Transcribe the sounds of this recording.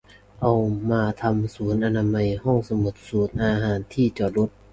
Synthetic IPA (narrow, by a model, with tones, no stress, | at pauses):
ʔa˧wmaː˧t̪ʰa˧msuː˩˦nʔa˧naː˧ma˧jhɔ˥˩ŋsa˧mo˨˩t̪̚suː˩˦nʔaː˧ɦaː˨˦nt̪ʰiː˥˩t͡ɕɔː˨˩lo˦˥t̪̚